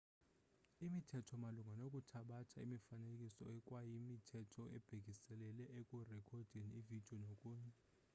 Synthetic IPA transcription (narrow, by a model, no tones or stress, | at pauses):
imitʰɛtʰɔmaluŋʱanok̬ʼutʰaɓatʰaimifanekʼisɔ̰ɛkʼwajimitʰɛtʰɔɛ̰b̥ʱek̬isɛlɛlɛʔekʼurɛkʰɔd̥ʱɛnivid̥ʱiɔnokʼuːɲɛ